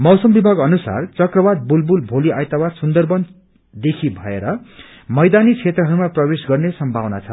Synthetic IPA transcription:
mʌwsʌmbibʱaɡʌnusa̰rt͡sʌkrʌbad̪̚bulbulbʱoliajt̪awasund̪ʌrbʌn | d̪ekʰibʱʌeɾʌ | mʌjd̪anit͡sʰet̪rʌɦʌɾumaprʌbesɡʌrnesʌmbʱawna̰t͡sʰʌ

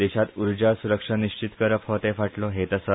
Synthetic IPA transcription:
eɕat̪uɾd͡ʑasuɾəkʂaniɕt͡ɕit̪kəɾəphot̪ẽfaʈlɔɦet̪əsə

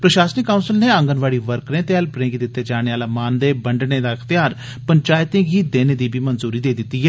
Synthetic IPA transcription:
pɾəʃaːsənɪkːaːunsəlneːə̃ŋɡənʋaːɽiːʋəɾkɾẽːt̪eːɛlpɾẽːɡid̪ɪt̪ːeːd͡ʒaːɽ̃eːaːlaːmaːnd̪eːbəɳɖneːd̪aːɪxt̪ɪjaːɾ | pəɲt͡ʃaːjt̪ẽːɡiːd̪eːneːd̪iːbiːmənzuːɾiːd̪eːd̪ɪt̪ːiːɦɛː

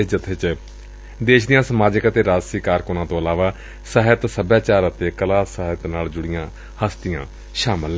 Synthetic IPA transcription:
d͡ʒət̪ʰet͡ʃ | d̪eːʃd̪ɪjãːsəmaːd͡ʒɪkət̪eːɾaːd͡ʒsiːkaːɾkʊnãːt̪õːəlaːʋaː | səɦət̪səbjaːt͡ʃaːɾət̪eːkəlaːsəɦət̪naːld͡ʒʊɽɪjãː | həst̪ɪjãː | ʃaːməl

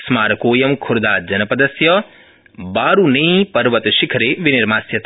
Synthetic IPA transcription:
smaːɾɐkoːjɐmkʰʊɾd̪aːd͡ʒɐnɐpɐd̪ɐsjɐ | baːɾuneːpɐɾʋɐt̪ʃɪkʰɾeːʋɪnɪɾmaːsjɐt̪

